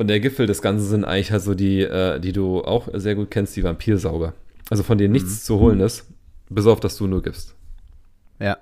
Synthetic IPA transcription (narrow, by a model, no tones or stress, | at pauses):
ʔʊntd̥eːɐɡɪfl̩dɛsɡ̥ant͡sn̩zɪntʔa̰ɪɡŋlɪçhaltz̥oːdiːʔɛːd̥iːduːʔa̰ʊxzeːɐɡuːt̚kʰɛnstd̥iːvampʰiːɐzaʊɡɐʔalzofɔndeːənɪçt͡st͡suhoːlənɪstb̥ɪs̬aʊfd̥asd̥uːnuːɐɡɪpst | ja